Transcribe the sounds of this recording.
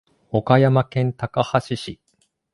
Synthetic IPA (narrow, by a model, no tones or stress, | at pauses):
o̞kajamakẽ̞nt̪akahaɕiɕi